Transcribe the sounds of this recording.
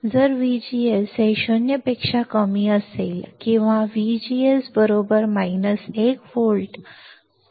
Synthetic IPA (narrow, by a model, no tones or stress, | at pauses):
d͡zəɾʋid͡ʑieseʃonjəpekʂakəmiəselkĩʋãʋid͡ʑiesbəɾobəɾmainəsekfolʈ